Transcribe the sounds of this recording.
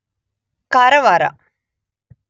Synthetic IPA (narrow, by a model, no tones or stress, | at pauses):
kaɾɐʋɐɾɐ̰